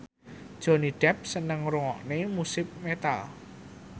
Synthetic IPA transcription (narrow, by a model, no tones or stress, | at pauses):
d̥ʒ̥o̤niɖ̥ɛp̚sənəŋɾuŋɔ̰ʔnemusɪp̚met̪a̰l